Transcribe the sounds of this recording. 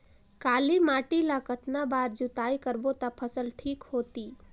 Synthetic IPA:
kaːlimaːʈilakət̪nabaːɾd͡ʒut̪aːikəɾbot̪apʰəsəlʈʰiːkhoːt̪iː

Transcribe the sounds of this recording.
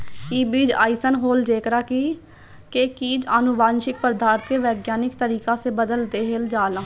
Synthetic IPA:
iːbiːd͡ʒaːisənɦoːld͡ʒeːkɾaːkiː | kekiːd͡ʒənʊʋaːnʃɪk̚pəɾd̪aːɾt̪ʰkeːʋɛːɡjaːnɪkt̪əɾiːkãːseːbəd̪əld̪eːɦeld͡ʒaːlãː

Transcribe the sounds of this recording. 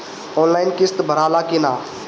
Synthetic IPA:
oːnlaːɪnkɪst̪bʱəɾaːlaːkiːnaː

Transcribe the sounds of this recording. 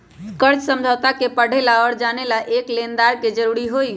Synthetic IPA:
kəɾt͡ʃsəmd͡ʒʱəwt̪akepəɽ̤elaɔːɾd͡ʒanelaʔeklend̪aɾked͡ʒəɾuɾiɦoj

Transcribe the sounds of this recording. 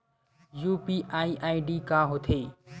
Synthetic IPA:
juːpiʔaiʔaiɖikãːɦot̪ʰeː

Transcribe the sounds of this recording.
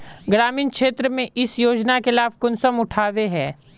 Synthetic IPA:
ɡɾaːmĩːnkʃeːt̪ɾəmẽʔɪsjoːd͡ʒnakɪlaːfkʊnsəmʊʈʰaːʋeɦɛ̃ː

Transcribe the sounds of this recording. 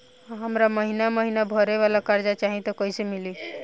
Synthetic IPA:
ɦamɾaməɦinaməɦinabʱɔɾeʋalakaɾd͡ʒat͡ʃaɦĩt̪ɔkɔisemili

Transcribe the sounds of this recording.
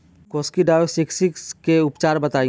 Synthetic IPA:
kɔːskiɖaːjoseksikskeʊpt͡ʃaːɾbɐt̪aːĩ

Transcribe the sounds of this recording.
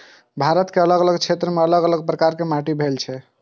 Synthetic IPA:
bʱaɾət̪keələɡələɡt͡ʃʰet̪ɾəmeələɡələɡpɾəkaɾkemaʈibʱelt͡ʃʰɛ

